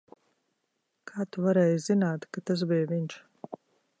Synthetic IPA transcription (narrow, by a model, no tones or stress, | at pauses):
kʰaːt̪uvaɾɛːjzinaːt̪kat̪as̬bɛːjviɲʃ